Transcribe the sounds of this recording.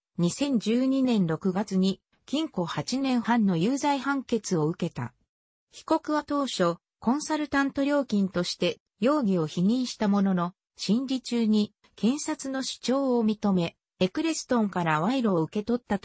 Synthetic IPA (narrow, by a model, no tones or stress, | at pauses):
ɲ̟isẽ̞ɲ̟d͡ʑɨːɲ̟inẽ̞nɾo̞kɯ̟ɡat͡sɨɲ̟i | kʲĩŋko̞hat͡ɕinẽ̞ɰ̃hãnːo̞jɯːzaihãŋke̞t͡sɨo̞ɯ̟ke̞t̪a̰ | çi̥ko̞kɯ̟βat̪o̞ːɕo̞ | kõ̞ɰ̃saɾɯ̟t̪ãnt̪o̞ɾʲo̞ːkʲĩnt̪o̞ɕi̥t̪e̞ | jo̞ːɡʲio̞çiɲ̟ĩɰ̃ɕi̥t̪amo̞no̞no̞ | ɕĩnɾʲit͡ɕɨːɲ̟i | kẽ̞ɰ̃sat͡sɨno̞ɕi̥t͡ɕo̞ːmʲit̪o̞me̞ | ekɯ̟ɾe̞sɨ̥t̪õ̞ŋkaɾaβaiɾoːɯ̟ke̞t̪o̞t̪ːat̪